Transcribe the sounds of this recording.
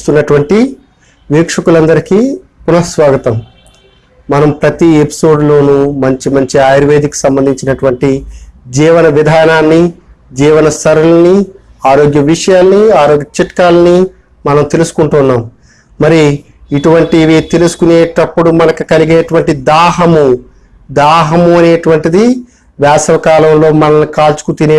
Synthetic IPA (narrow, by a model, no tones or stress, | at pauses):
ust̪unːɐʈuʋɐɳʈi | ʋiːkʂɐkulɐnd̪ɐɾiki | punɐsʋaːɡɐt̪ɐm | mɐnɐmpɾɐt̪iepi̥so̞ːɖlo̞ːnumɐɲt͡ʃimɐɲt͡ʃiaːjɾʋeːd̪ikːu̥sɐmbɐnd̪ʱiɲt͡ʃinɐʈuʋɐɳʈid͡ʒiːʋɐnɐʋid̪ʱaːɾɐnaːnːi | d͡ʒiːʋɐnɐsɐɾulɐni | aːɾoːɡjɐʋiʂɐjaːlɐniaːɾoːɡjɐt͡ʃiʈɐkaːlɐni | mɐnɐmt̪e̞lusu̥kuɳʈunːaːm | mɐɾiː | ʈuʋɐɳʈiʋit̪e̞lusu̥kuneːʈɐpːuɽumɐnɐkukɐliɡeːʈuʋɐɳʈid̪aːɦɐmu | d̪aːɦɐmuɐne̞ːʈuʋɐɳʈid̪i | ʋaːsɐʋɐkaːlɐmlo̞ːmɐnɐnːikaːlt͡ʃu̥kut̪ine